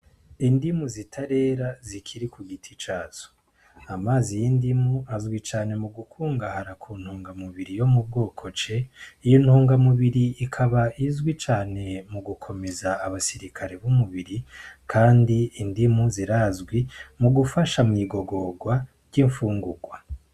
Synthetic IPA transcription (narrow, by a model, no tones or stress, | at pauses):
indimuzitʰaɾe̞ɾazikʰiɾikʰuɡitʰit͡ʃaːz̥o̥ | amaːzijindimuazɡwit͡ʃaːne̞muɡukʰuːŋɡahaɾakʰuːn̥huːŋɡamuβiɾijo̞mub̚ɡoːkʰo̞t͡ʃe̞ijin̥huːŋɡamuβiɾiːkʰaβaizɡwit͡ʃaːne̞muɡukʰo̞me̞zaːβasiɾikʰaɾe̞βumuβiɾikʰaːndiːndimuziɾazɡwimuɡufaʃamŋiːɡo̞ɡo̞ɡwa | ɾɟiɱfuːŋɡuɡwa